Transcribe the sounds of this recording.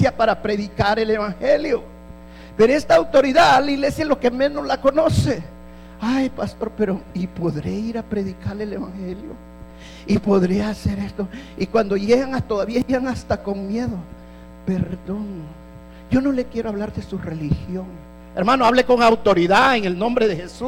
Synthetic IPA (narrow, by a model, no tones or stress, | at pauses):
sjapaɾapɾe̞ðikaɾe̞le̞βaŋxe̞ljo̞ | peɾoe̞st̪aːwt̪o̞ɾiðaliɣle̞sjaelo̞ke̞mẽ̞no̞zlako̞nose̞ | ajpast̪o̞ɾpe̞ɾoipo̞ðɾeiɾapɾe̞ðikaɾlele̞βaŋxeljo̰ | ipo̞ðɾe̞ase̞ɾe̞st̪o̞ikwand̪o̞ʝe̞ɣaŋat̪oðaβiaeɣaŋast̪ako̞ŋmje̞ðo̞ | pe̞ɾðo̞no | ɟ͡ʝo̞no̞le̞kje̞ɾo̞aβlaɾðe̞sure̞lixjo̞ŋ | eɾmãnoaβleko̞ŋawt̪o̞ɾiðaeŋe̞lnõ̞mbɾe̞ðe̞xe̞su